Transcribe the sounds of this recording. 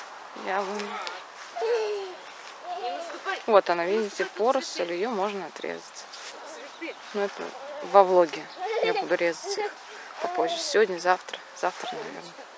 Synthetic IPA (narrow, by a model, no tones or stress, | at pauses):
javɨm | vo̞t̪ɐnavʲidʲɪtʲɪfpo̞ɾəsəlʲɪjomo̞ʐnəɐt̪ɾʲḛzətʲ | nuɛt̪ə̰vɐvlˠoɡʲɪjabud̪ʊɾʲe̞zətʲix | pɐpozːɪsʲɪvʲo̞dʲnʲəzaft̪ɾəz̥aft̪ɾənɐ̰vʲḛrnə